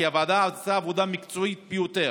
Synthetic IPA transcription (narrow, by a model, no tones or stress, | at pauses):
iavad̪azsaːvod̪amikt͡soit̪̚bejut̪e